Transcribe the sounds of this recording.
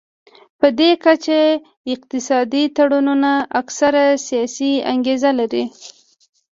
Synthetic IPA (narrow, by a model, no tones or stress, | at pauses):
pəd̪ekat͡ʃe | ɪq̚t̪ɪsɑd̪it̪aɽununaʔaksaɾasijɑsia̰ŋɡezalaɾi